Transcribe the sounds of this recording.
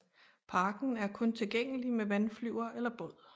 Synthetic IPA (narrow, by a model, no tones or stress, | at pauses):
pʰɑ̈ːɡ̥n̩æɐkʰɔ̽nt͡sʰe̝lɡ̥eŋ̰əlimeʋænflyʊ̰ɐʔelɐb̥ɔ̽ð̰ˠ